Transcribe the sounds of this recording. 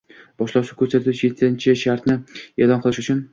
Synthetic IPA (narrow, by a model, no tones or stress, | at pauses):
b̥ɒʃlaʃukʲʰɵɾsat̪ʰʊt͡ʃje̞t̪ʰːɪnt͡ʃʰɪʃaɾt̪nɪelˠɒnqʰɨlˠɪʃʊt͡ʃʰʊn